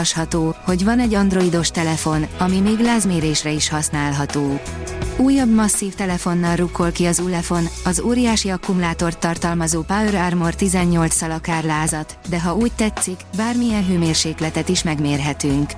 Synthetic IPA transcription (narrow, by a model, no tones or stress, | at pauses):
ʃhɒt̪oːho̞ɟvɒnɛɟːɒnd̪ro̞id̪o̞ʃt̪ɛlɛfo̞nɒmimeːɡlaːzmeːɾeːʃrɛiʃhɒsnaːlɦɒt̪oː | uːjːɒbmɒsːiːft̪ɛlɛfo̞nːɒlrukːo̞lkiɒzulɛfo̞nɒzoːɾijaːʃiɒkumulaːt̪o̞rt̪ːɒrt̪ɒlmɒzoːpaøɾarmort̪izɛɲːo̞lt̪sɒlɒkaːrlaːzɒt̪d̪ɛɦɒuːc̚t̪ɛt̪sikbaːrmijɛnɦøːmeːrʃeːklɛt̪ɛt̪iʃmɛɡmeːrɦɛt̪yŋk